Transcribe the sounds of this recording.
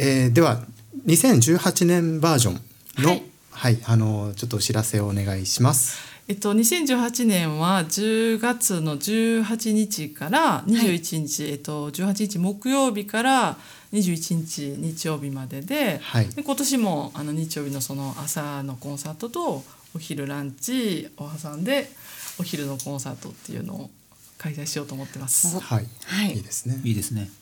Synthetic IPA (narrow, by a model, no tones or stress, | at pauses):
ed̪e̞βa | ɲ̟isẽ̞ɲ̟d͡ʑɨːhat͡ɕinẽ̞mbaːʑõ̞̰ŋ | hno | haiano̞t͡ɕo̞t̪ːoɕiɾase̞oːne̞ɡaiɕimasɨ̥et̪ːo̞ɲ̟isẽɲ̟d͡ʑɨːhat͡ɕinẽ̞ɰ̃βad͡ʑɨːɡat͡sɨno̞d͡ʑɨːɦat͡ɕiɲ̟it͡ɕikaɾaɲ̟iʑɨːit͡ɕiɲ̟it͡ɕiet̪o̞d͡ʑɨːhat͡ɕiɲ̟it͡ɕimo̞kɯ̟jo̞ːbʲikaɾa | ɲ̟iʑɨːit͡ɕiɲ̟it͡ɕiɲ̟it͡ɕijo̞ːbʲimad̪e̞d̪e̞haid̪e̞ko̞t̪o̞ɕimo̞ano̞ɲ̟it͡ɕijo̞ːbʲino̞so̞no̞ʔasano̞kõ̞ɰ̃saːt̪o̞t̪o̞ | oçiɾɯ̟ɾãɲt͡ɕiohasãnd̪e̞o̞çiɾɯ̟no̞kõ̞ɰ̃sa̰ːt̪o̞t̪ːe̞̰jɯ̰no̞̰o̰ | kaisaiɕijo̞ːt̪oːmo̞t̪ːe̞masɨ̥haihaiiːd̪esɨ̥neiːd̪esɨne